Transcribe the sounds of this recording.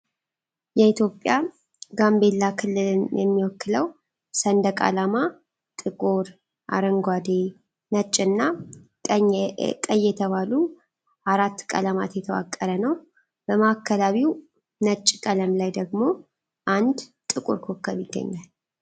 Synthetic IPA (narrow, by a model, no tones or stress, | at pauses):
jɛit̪jo̞pʼːja | ɡambe̞lːakʰɨlːɨljɛmːiwɔkːɨləw | sənd̪əkʼa̰lama | t̪ʼɨkʼoɾ | ʔa̰ɾəŋɡʷad̪e | nət͡ʃʼːɨnːa | kʼəjːɛt̪ʰəβalu | ʔaɾat̪ːkʼə̰ləma̰t̪jɛt̪ʰəwa̰kʼːəɾənəw | b̥əmakʰːəlaβiw | nət͡ʃʼːkʼələmlajd̪əɡmo̞ | ʔand̪t̪ʼːɨkʼṵɾkʰokʰːəβiɡ̥ːə̰ɲːal